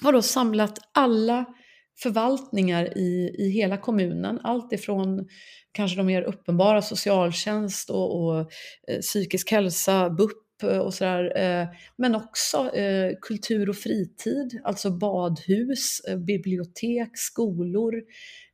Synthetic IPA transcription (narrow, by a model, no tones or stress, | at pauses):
haɖosamlat̪ʔalːa | fœɾvalt̪nɪŋaɾɪɪɦeːlakʰɔmʉ̟ːnə̰na̰lt̪ɪfɾɔnkʰanʂəd̪ɔmːeːɾʔɵpːənbɑːɾasʊsɪɑːlɕɛnst̪ɔɔ | syːkɪskhɛlsabɵpːɔ̰sɔd̪æːɾmɛnɔksɔkʰɵlt̪ʰʉ̟ːɾɔfɾiːt̪ʰiːd̪a̰lt̪sɔbɑːd̪hʉ̟ːsbɪblɪʊt̪ʰeːkskuːlʊɾ